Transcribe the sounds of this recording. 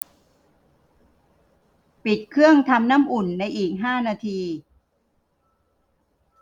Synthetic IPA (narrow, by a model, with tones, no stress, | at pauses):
pi˨˩t̪̚kʰɯ˥˩əŋt̪ʰa˧mnaː˥˩mʔu˨˩nːa˧jʔiː˨˩k̚ɦaː˥˩naː˧t̪ʰiː˧